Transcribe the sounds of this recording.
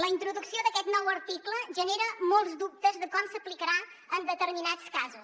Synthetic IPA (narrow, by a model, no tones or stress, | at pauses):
ləint̪ɾuðuksioðəkɛt̪nɔwəɾt̪ikləʒəneɾəmɔlˠzd̪up̚t̪əzðəkɔmsəplikəɾa | ənd̪ət̪əɾminat͡skazus